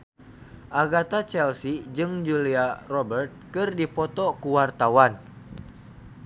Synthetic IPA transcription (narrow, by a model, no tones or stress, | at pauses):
ʔaɡat̪at͡ʃɛlsid͡ʒɨŋd͡ʒuliarɔbɛrt̪̚kɨrdipɔt̪ɔkuwart̪awan